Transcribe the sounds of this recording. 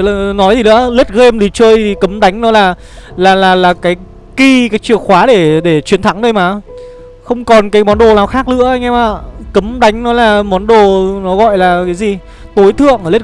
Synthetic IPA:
nɔ˨˦jt̪ʰi˨˩ɨ̰˧˥əle˦˥t̚ɣe˧mt̪ʰi˨˩t͡ɕəː˧jt̪ʰi˨˩kə˨˦mɗa˨˦ŋ̟nɔ˨˦laː˨˩ | laː˨˩laː˨˩laː˨˩kaː˨˦j | ki˧kaː˨˦jt͡ɕɨ˧˩əŋxwaː˨˦ɗe˧˩ɗe˧˩t͡ɕwi˨˦ənt̪ʰa˨˦ŋɗə˧jmaː˨˩ | xə˧wŋ͡mkɔ˨˩nkaː˨˦jmɔ˨˦nɗo˨˩naː˨˩wxaː˦˥k̚lɨ̰˧˥əʔa˧jŋ̟ʔɛ˧mʔaː˧˨˩kə˨˦mɗa˨˦jŋ̟nɔ˨˦laː˨˩mɔ˨˦nɗo˨˩nɔ˨˦ɣɔ̰˧˨jlaː˨˩kaː˨˦jzi˨˩ | t̪o˨˦jt̪ʰɨ̰˧˨əŋəː˧˩le˦˥

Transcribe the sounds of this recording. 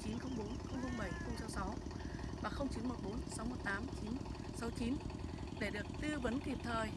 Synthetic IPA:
t͡ɕi˨˦nxə˧wŋ͡mɓo˨˦nxə˧wŋ͡mxə˧wŋ͡mɓə˧˩jxə˧wŋ͡msɔ˨˦wsa˨˦w | vaː˨˩xə˧wŋ͡mt͡ɕi˨˦nmo˨˩t̚ɓo˨˦nsa˨˦wmo˨˩t̚t̪aː˨˦mt͡ɕi˨˦n | sɔ˨˦wt͡ɕi˨˦n | ɗe˧˩ɗɨ˨˩ək̚t̪ɨ˧və˨˦nki˨˩p̚t̪ʰəː˨˩j

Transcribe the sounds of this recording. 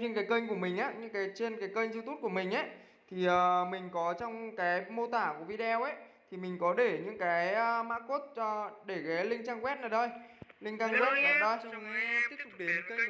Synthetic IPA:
t͡ɕe˧nkaː˨˦jkəː˧ŋ̟ku˧˩əmï˨˩ŋ̟ʔaː˨˧˦ɲɨ̰˧˥ŋkaː˨˦jt͡ɕe˧nkaː˨˦jkəː˧ŋzwt̪u˦˥ku˧˩əmï˨˩ŋ̟ʔə˦˥˦j | t̪ʰi˨˩ʔəː˨˩mï˨˩ŋ̟kɔ˨˦t͡ɕɔ˧wŋ͡mkaː˨˦jmo˧t̪aː˧˩ku˧˩əvi˧ɗɛ˧wʔə˦jt̪ʰi˨˩mï˨˩ŋ̟kɔ˨˦ɗe˧˩ɲɨ̰˧˥ŋkaː˨˦jmaː˦˥t̚ko˦˥t̚ːɗe˧˩kaː˨˦jlï˧ŋ̟t͡ɕaː˧ŋkwɛ˦˥t̚naː˨˩ɗo˧jlï˧ŋ̟t͡ɕaː˧ŋkwɛ˦˥t̚ːəː˨˩ɗə˧jt̪i˦˥ək̚t̪k͡p̚ɗe˨˦nkəː˧ŋ˧˨

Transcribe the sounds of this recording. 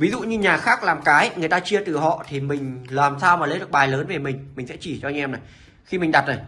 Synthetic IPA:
vi˨˦zṵ˧˨ɲɨ˧ɲaː˨˩xaː˦˥k̚laː˨˩mkaː˨˦jŋɨ˨˩əjt̪aː˧t͡ɕi˧ət̪ɨ˨˩ɦɔ̰˧˨t̪ʰi˨˩mï˨˩ŋ̟laː˨˩msaː˧wmaː˨˩lə˨˦jɗɨ˨˩ək̚ɓaː˨˩jləː˨˦nve˨˩mï˨˩ŋ̟mï˨˩ŋ̟sɛ̰˧˥t͡ɕi˧˩t͡ɕɔ˧jŋʔɛ˧mna˨˩ | xi˧mi̟˨˩ɗa˨˩t̚ʔə˨˩j

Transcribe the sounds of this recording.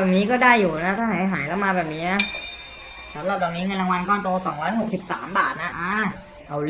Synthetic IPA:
ɛː˨˩p̚niː˦˥kɔː˥˩daː˥˩jːuː˨˩na˦˥t̪ʰaː˥˩ɦaː˩˦jɦaː˩˦jlɛ˦˥wmaː˧bɛː˨˩p̚niː˦˥na˦˥ | sa˩˦mɾa˨˩p̪̚ɔː˨˩ŋni˦˥ŋɤ˧nla˧ŋwa˧nkɔː˥˩nt̪oː˧sɔː˩˦ŋɾɔː˦˥jho˨˩k̚si˨˩p̚sa̰ː˩˦mbaː˨˩t̪̚na˦˥ʔaː˧˩ | ʔa˧˩

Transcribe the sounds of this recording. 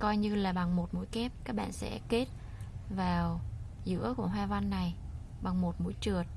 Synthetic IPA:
kɔ˧jɲɨ˧laː˨˩ɓa˨˩ŋmo˨˩t̚mṵ˧˥jkɛ˦˥p̚kaː˦˥k̚ɓa̰ː˧˨nsɛ̰˧˥ke˦˥t̚ | vaː˨˩w | zɨ̰˧˥əku˧˩əɦwaː˧va˧nːa˨˩j | ɓa˨˩ŋmo˨˩t̚mṵ˧˥jt͡ɕɨ˨˩ət̚

